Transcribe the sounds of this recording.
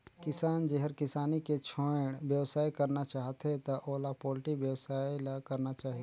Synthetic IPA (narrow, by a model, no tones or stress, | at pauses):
kɪsaːnd͡ʒeɦəɾkɪsaːniket͡ʃʰoɽ̃ʋjəʋsaːjkɐɾnat͡ʃaːɦt̪et̪aʔoːlapɔːlʈiʋjəwsaːjlakɐɾnat͡ʃaːɦi